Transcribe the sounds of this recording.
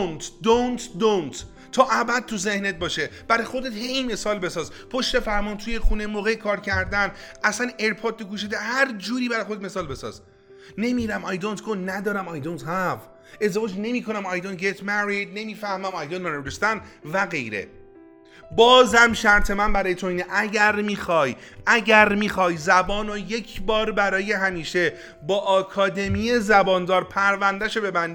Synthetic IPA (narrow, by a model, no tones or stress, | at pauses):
nt̪d̪ont̪ʰd̪ont̪ | t̪ʰːɒːʔæbæd̪̚t̪ʰuze̞hnet̪̚bɒːʃe̞b̥æɾɒjxo̞d̪e̞t̪heme̞sɒːlbe̞sɒːz | pʰo̞ʃt̪e̞fæɾmɒːnt̪ʰuːjexuːnemoːɣejkʰɒːɾcʰæɾd̪ænæsæneɾpʰoːɾt̪̚ːoɡuːʃ̬ed̪æhæɾd͡ʒuːɾiːbæɾɒjxod̪et̪me̞sɒːlbe̞sɒ̰ːz | ne̞miɾæmɒjd̪ont̪ɡonnːæd̪ɒːɾæmajd̪ont̪hæv | e̞zd̪evɒːd͡ʒne̞miːkʰo̞næmɒjd̪ont̪̚ɡʲet̪ʰmæɾid̪̚ne̞miːfæhmæmɒjd̪onːɒːneɾest̪ænvæɣe̞jɾḛ | bɒːzæmʃæɾt̪ʰe̞mænbæɾɒːjet̪ʰoiːneʔæɟæɾmiːxɒːjʔæɟæɾmiːxɒːjzæbɒːnoje̞cʰbɒːɾbæɾɒːje̞ɦæmiːʃe̞ | bɒːʔɒːkʰɒːd̪e̞mijezæbɒːnd̪ɒːɾpʰæɾvænd̪æʃobe̞bænd̪